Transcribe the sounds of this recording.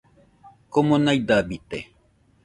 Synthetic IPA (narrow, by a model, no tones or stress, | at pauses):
komonajd̪abit̪e